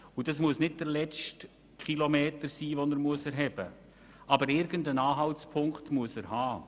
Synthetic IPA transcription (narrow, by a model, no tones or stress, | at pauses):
ud̥ɑsmuəsnɪd̚d̥əɾlɛt͡st | kʰχilomeːtəɾsiːvɔnəɾmuəsɛɾɦɛb̥ə̰ | ʔɑbəɾɪɾɡəndənɑːɦɑltspʰʊŋktmuəsəɾhɑː